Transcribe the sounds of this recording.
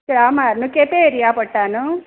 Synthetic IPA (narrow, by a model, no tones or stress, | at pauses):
kaːmaːɾnukepeːɾijaːpɐʈːaːnu